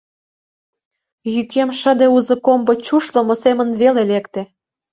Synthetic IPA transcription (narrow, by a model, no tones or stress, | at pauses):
jykemʃə̆d̪euzɤ̆kombot͡ɕuʃlə̆mosemənβelelekt̪e